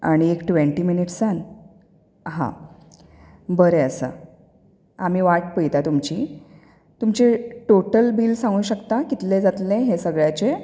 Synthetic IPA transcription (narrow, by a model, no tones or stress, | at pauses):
a̰ɽ̃iekʈʋeɳʈiːminiʈsan | ɦã̰ | bəɾeəsə̰ | am̤iːʋaʈ̚pəjt̪at̪umt͡ɕi | t̪umt͡ɕeʈoʈəlbiːlsãŋɡũːɕəkt̪akit̪led͡zat̪lẽɦesəɡɭjat͡ɕe